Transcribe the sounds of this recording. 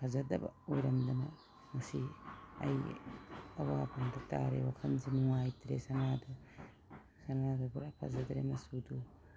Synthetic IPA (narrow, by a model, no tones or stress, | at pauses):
pʰɐzɐdɐ̰bɐ̰ojɾɐmdɐnɐ̰ | mɐsiɐ̰j | ɐwapʰɐŋdɐta̰ɾḛwakʰɐnzinuŋajtɾesɐnadɐ | sɐnadɐbuɾapʰɐ̰zɐdɾemɐsudu